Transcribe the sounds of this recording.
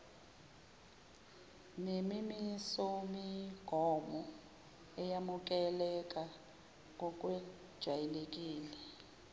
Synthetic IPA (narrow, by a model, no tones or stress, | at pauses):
nemimisɔmiɡ̥ʱɔmɔ | ɛjamuk̬ʼɛlɛk̬ʼa | kɔk̬ʼwɛ | d̥ʒ̥ʱwajɛlek̬ʼiːlɛ